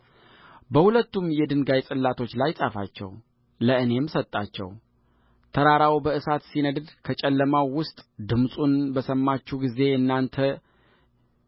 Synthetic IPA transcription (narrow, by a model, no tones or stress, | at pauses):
bəhulət̪ːumjɛd̪ɨŋɡajt͡sʼɨlːat̪ʰo̞t͡ʃːlajsʼafa̰t͡ʃːɛ̰w | ləɨne̞msət̪ʼːat͡ʃːɛ̰w | t̪ʰəɾaɾawbəɨsat̪sinəd̪d̪kʰət͡ʃʼɛlːəmawwʊst̪ʼd̪ɨmsʼunbəsəmːat͡ʃːuɡize̞ɨnːant̪ʰə